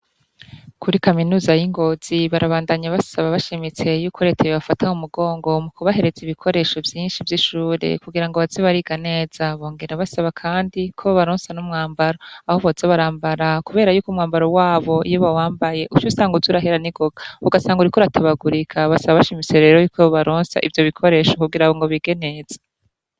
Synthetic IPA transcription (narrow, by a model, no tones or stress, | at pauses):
kuɾikaminuːzajiŋɡo̞z̥iβaɾaβaːndaɲaβasaβaβaʃimit͡se̞jukʰoɾe̞tʰeβiβafatʰaumuɡo̞ːŋɡo̞mukuβaɦe̞ɾe̞ziβikʰo̞ɾe̞ːʃo̞vjiːnʃivjiʃuːɾe̞̰kuɡiɾaŋɡoβaziβaɾiɡane̞ːz̥aβo̞ːŋɡe̞ɾaβasaβakʰaːndikʰoβaβaɾoːnsanumŋaːmbaɾoahoβozaβaɾaːmbaɾakuβe̞ːɾajuːkumŋaːmbaɾowaːβo̞ḭjoβawaːmbaje̞ʔut͡ʃusaːŋɡuzuɾaɦeɾaniɡ̥o̞ɡ̥auɡasaːŋɡuɾikoɾatʰaβaɡuɾikʰaβasaβaβaʃimit͡se̞ɾe̞ːɾo̞juːkʰoβoβaɾoːnsa̰ʔivjo̞βikʰoɾeːʃo̞kuɡiɾaɡoŋɡo̞βiɡe̞nez̥e̥